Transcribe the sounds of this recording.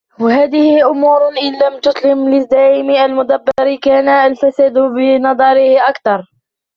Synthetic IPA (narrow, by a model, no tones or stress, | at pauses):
wahaːðɪhɪʔʊmuːɾʔɪnlamt̪ʊsˤlɪmlɪzd̪aʕɪmʔalmʊd̪abːɑɾɪkaːnaʔːlfasad̪bɪnɑd̪ˤɑɾɪhʔakt̪ɑɾˤ